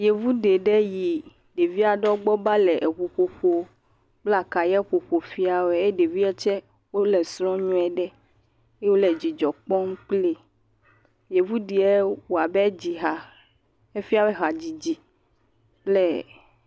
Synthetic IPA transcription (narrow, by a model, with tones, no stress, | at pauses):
je˨vu˦ɖe˨ɖɛ˦ji˨ | ɖe˨vi˦a˨ɖɔ˦ɡ͡bɔ˦ba˦lɛ˨ʔe˨ɸu˨ɸo˨ɸo˦ | k͡pla˨ka˨jɛ˦ɸo˨ɸo˨fi˦a˨wɛ˨e˦ɖe˨vi˦ɛ˦t͡ʃɛ˦ | wo˦lɛ˨sɾɔ̃˦ɲũ˦ɛ˨ɖɛ˦ | e˦wo˦lɛ˨d͡ʑi˨d͡ʒɔ˨k͡pɔ˦ŋ˦k͡ple˦ | je˨vu˦ɖi˨ɛ˦wo˨a˨bɛ˦d͡ʑi˨ɦa˨ | e˦fi˦a˦wɛ˦ɦa˨d͡ʑi˨d͡ʑi˨ | k͡plɛ˦